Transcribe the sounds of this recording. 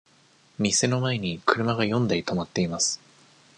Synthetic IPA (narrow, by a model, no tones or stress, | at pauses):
mʲise̞no̞mae̞ɲ̟ikɯ̟ɾɯ̟maɡajõ̞nd̪ait̪o̞mat̪ːe̞imasɨ̥